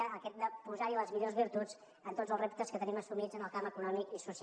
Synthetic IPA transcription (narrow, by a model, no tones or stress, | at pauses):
əːkɛt̪̚d̪əpuzaɾiləzmiʎozβiɾt̪ud͡z | ənt̪odd͡zəlˠzrep̚t̪əskət̪əniməsumid͡zənəlˠkaməkunɔmikisus